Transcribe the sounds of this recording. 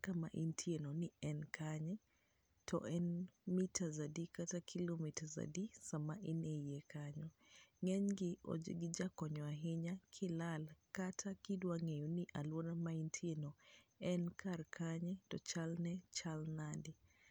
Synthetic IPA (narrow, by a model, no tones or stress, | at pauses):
kamaʔintʰienonɪɛnkʰaɲɛ | tʰɔ̰ʔɛnmitazadikatakʰilomitaza̰disamaʔinejekaɲɔ | ŋɛɲɡɪʔɔ̰d͡ʒḛɡɪd͡ʒakɔɲɔaɦɪɲakʰɪlalkatʰakidwaŋejuniʔalwonamaintʰienoɛnkʰarkʰaɲɛtɔt͡ʃalnɛt͡ʃalnadi